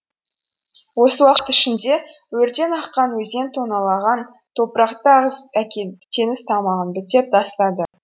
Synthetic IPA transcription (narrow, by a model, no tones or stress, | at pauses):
wo̞səwɑqə̥t̪ɪʃɪnd̪e̞ | wɵɾt̪e̞nɑqːɑnwɵze̞nt̪ʰonɑlˠɑʁɑn | t̪ʰo̞pəɾɑqt̪əɑʁəzækʲet̪ʰe̞nɪst̪ʰɑmɑʁənbɪt̪ep̚d̪ɑst̪ɑd̪ə